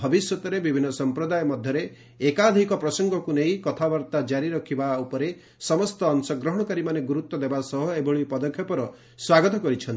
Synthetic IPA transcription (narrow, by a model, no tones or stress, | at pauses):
bʱɔbisjɔt̪ɔɾebibʱinːɔsɔmpɾɔd̪ajɔmɔd̪ʱjɔɾeː | kad̪ʱikɔpɾɔsɔŋɡɔkunejkɔt̪ʰabaɾt̪ad͡ʒaɾiɾɔkʰibaupɔɾe | sɔmɔst̪ɔːnsɔɡɾɔɦɔɽ̃ɔkaɾimaneɡuɾut̪wɔd̪ebasɔɦɔebɔɭipɔd̪ɔkʰjɔpɔɾɔ | swaɡɔt̪ɔkɔɾit͡ʃʰɔnt̪i